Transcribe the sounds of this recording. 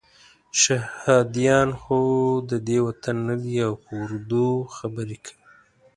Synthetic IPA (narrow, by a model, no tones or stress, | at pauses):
ʃahhɑd̪ijɑnxod̪əd̪ewat̪anːad̪iawpəʊɾd̪uxabəɾekʰə̥wi